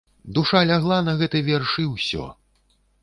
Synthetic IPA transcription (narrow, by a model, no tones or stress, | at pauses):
d̪uʂalʲaɣlˠanɐɣɛt̪ɨjvʲɛrʂɨwsʲɔ̰